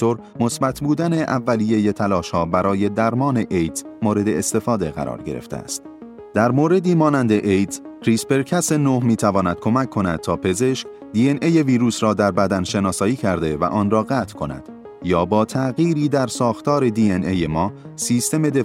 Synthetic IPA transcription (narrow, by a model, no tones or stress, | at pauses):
t̪oɾ | mo̞sbæt̪ʰbuːd̪æne̞ʔævːælije̞je̞t̪ʰælɒːʃhɒːbæɾɒːje̞d̪æɾmɒːne̞ʔejt̪moːɾe̞d̪e̞ːst̪e̞fɒːd̪e̞ɣæ̰ɾɒ̰ːɾɟe̞̰ɾḛft̪ḛæ̰st̪ | d̪̥æɾmoːɾe̞d̪iːmɒːnænd̪eʔejt̪ʰkʰɾiːspe̞ɾkʰæse̞nohmiːt̪ʰævɒːnæd̪̥̚kʰo̞mæcʰːo̞næd̪̚t̪ʰɒːpʰe̞ze̞ʃk | d̪iːenʔeje̞viːɾuːsɾɒːd̪æɾbæd̪ænʃe̞nɒːsɒːiːcʰæɾd̪e̞væ̰ʔɒːnrɒːɣæːt̪ʰkʰo̞næ̰d̪̥ | jɒːbɒːt̪ʰæɣiːɾiːd̪æɾsɒːxt̪ɒːɾe̞d̪iːenʔejemɒː | siːst̪e̞me̞d̪e